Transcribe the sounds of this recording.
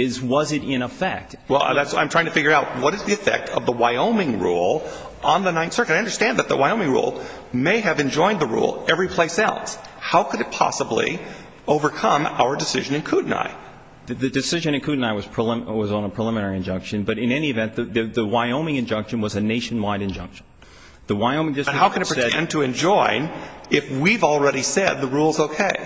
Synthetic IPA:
ɪzwʌzɨɾɪ̃nəfɛk̚t | wɛ̰lˠðætsã̰ɪ̃mtɹ̥aɪ̃ŋtʰɨfɪɡjə˞aʊt̚wʌɾɨzðiɨfɛ̰k̚tʰʌvðəwaɪõʊ̃mɪ̃ŋɹṵlˠ | ʔə̃nðənãɪ̃nsɜ˞kɨaɪʌ̃ndə˞stæ̃nðɨt̪̚ðə̰waɪõʊmɪ̃ŋɹṵlˠ | meɪɨvɨ̃nd͡ʒɔ̃ɪ̃nðəɹṵlˠɛvɹipʰl̥eɪsaʊthaʊkʰɨɾɨt̚pʰɑ̰səblḭ | oʊvə˞kʰʌ̃ma̰ʊə˞dɨsɪʒɨ̃nɨ̃nkʰuʔn̩a̰ɪ | ðɨdɨsɪʒɨ̃ñɨ̃nkʰʉʔn̩aɪwʌz̥pʰɹ̥əlɪwʌzn̩əpʰɹ̥əlɪ̃mɨnɛɹiɨ̃nd͡ʒʌ̃ŋkʃɨ̃nbʌɾɨ̃nɛniɨvɛ̃nðɨðɨðɨwaɪõʊ̃mɪ̃ŋɨ̃nd͡ʒʌ̃ŋkʃɨ̃n̩wʌzɨneɪʃn̩waɪɾɨ̃nd͡ʒʌ̃ŋkʃn̩ | ðɨwaɪõʊ̃mɪ̃ŋd͡ʒʌsʌhaʊkɨ̃n̩ɨtpɹ̥iɛɛ̰̃ntʰɨɨ̃nd͡ʒɔ̃ɪ̃nɪfwivl̩ˠɹɛɾisɛd̪̚ðəɹulˠzoʊkʰeɪ

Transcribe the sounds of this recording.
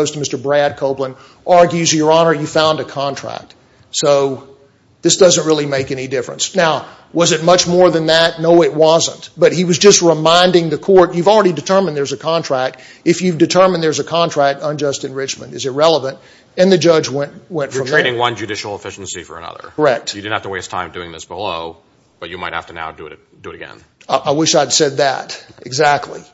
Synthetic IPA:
oʊz̥tʰəmɪstə˞bɹæd̚kʰoʊplə̃n | ʔɑɹɡjʉzjə˞ɑnə˞jɨfãʊ̃ndɨkʰɑ̃ntʰɹ̥æ̰k̚t̚ | soʊ | ðɪsd̥ʌzɨ̃nt̚ɹɪlˠimeɪkɛnidɪfɹɨ̰̃nsnaʊ | wʌzɨt̚mʌt͡ʃmɔɹðɨ̃nðɨt̚ⁿnoʊɪʔ̚wʌzə̰̃ntb̥ʌt̚hiwʌzd͡ʒʌst̚ɹəmãɪ̃ndɪ̃ŋðɨkʰɔɹtjʉvl̩ˠɹɛɾidɨtʰɜ˞mɨ̃n̩ðə˞zɨkʰɑ̃ntʰɹ̥æk̚t | ɨfjʉvdɨtʰɜ˞m̃nðə˞zɨkʰɑ̃ntʰɹ̥æk̚tə̃nd͡ʒʌstɨ̃nɹɪt͡ʃmɨ̰̃ndɨzɨt̚ɹɛlˠəvə̃nt̚ | ɨ̃nðɨd͡ʒʌd͡ʒwɛ̃ntwɛ̃ntfəɹʌ̃mʰeɪɾɪ̃ŋwʌ̃nd͡ʒɨdɪʃl̩ˠəfɪʃn̩sifə̰˞ɨ̰nʌ̰ðə̰˞kə˞ɛk̚t̚jɨdɨdⁿn̩hæftəweɪstʰã̰ɪ̃mdʉɪ̃ŋðɪ̰sb̥əlo̰ʊ | b̥ʌt͡ʃɨma̰ɪt̚hæ̰ftɨna̰ʊdɨɨ̰ɾ | d̥ɨɨɾɨɡɛ̰̃n | ʔaɪwɪʃaɪd̥sɛd̪̚ðɨ̰ɾɨɡzæk̚tʰˡlḭ

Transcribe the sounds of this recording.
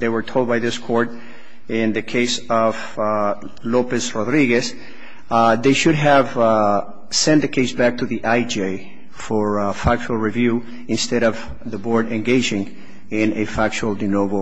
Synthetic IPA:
ðeɪwə˞tʰoʊlˠd̚baɪðɪskʰɔɹt | ɪ̃nðɨkʰeɪsʌv̥ | lopɨsɹɔdɹiɡɨs | ðeɪʃɨɾ̚ɨv | sɛ̃nðɨkʰeɪsbæk̚tʰɨðiʔaɪd͡ʒeɪ | fə˞fæk̚t͡ʃul̩ˠɹivjʉ | ɨ̃nstɛɾʌv | ðəbɔɹɾɨ̃nɡeɪd͡ʒɪ̃ŋ | ɪ̃nɨfæk̚t͡ʃul̩ˠdɨnov

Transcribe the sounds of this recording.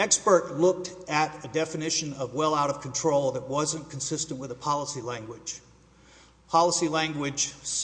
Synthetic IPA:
ɛkspə˞tˡlʊk̚tɨɾɨdɛfɨnɪʃɨ̃nʌvwɛlˠaʊɾʌv̥kʰn̩tʰɹ̥oʊlˠðɨt̚wʌzɨ̃nkʰn̩sɪstɨ̃nʔwəðəpʰɑlˠəsilæ̃ŋɡwɪd̥ʒ̥ | pʰɑlˠəsilæ̃ŋɡwɪd̥ʒ̥s

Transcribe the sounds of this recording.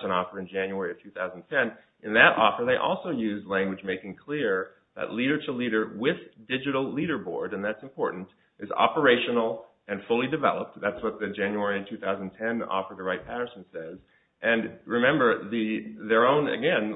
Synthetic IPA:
ə̃nɔfə˞ɨ̃nd͡ʒæ̃njʉɛɹiɨv̥tʰʉθaʊzntʰɛ̃n | ʔɨ̃nðɨɾʔɔ̰fə˞ðeɪʔɔ̰lˠsoʊjʉzlæ̃ŋɡwɨd͡ʒmeɪkɪ̃ŋkʰl̥ɪɹ | ðɨ̰ʔˡliɾə˞ɾəliɾə˞wɪðdɪd͡ʒɨɾl̩ˠliɾə˞bɔ̰ɹɾɨ̃nðætsm̩pʰɔɹʔn̩t | ʔɨzɑ̰pə˞eɪʃɨnl̩ˠ | ɨ̃nfʊlˠidɨvɛ̰lˠəp̚t̚ðætswʌt̪̚ðɨd͡ʒæ̃njʉɛɹitʰʉθaʊzntʰɛ̃nɔ̰fə˞ðɨɹaɪt̚pʰæɾə˞snsɛz | ʔɨ̃nɹɨmɛ̃mbə˞ðɨðə˞õʊ̃nɨ̰ɡɛ̃n

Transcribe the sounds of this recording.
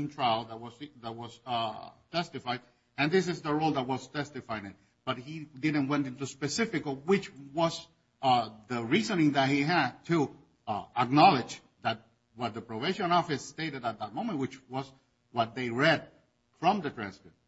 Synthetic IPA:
ŋtʰɹ̥aɪlˠðət̚wʌðət̚wʌz̥ | tʰɛstɨfaɪd | ɨ̃nðɪs̬ɨzðəɹoʊlˠðət̚wʌz̥tʰɛstɨfaɪ̃nɨ̃t̚ | b̥ʌt̚hidɪd̃ⁿn̩t̚wɛ̃ntɪ̃ntuspɨsɪfɨkwɪt͡ʃwʌz | ðəɹizɨ̃nɪ̃ŋðɨt̚hiɨd̚tʰɨ | ək̚nɑlˠɪd͡ʒ | ðɨt̚ | wʌt̪̚ðəpɹ̥oveɪʃɨ̃nɔfɨsteɪɾɨɾət̪̚ðət̚mõʊ̃mə̃nt̚wɨt͡ʃwʌz | wʌt̪̚ðeɪɹɛd̚ | fɹʌ̃mðɨtʰɹ̥æ̃nspət̚

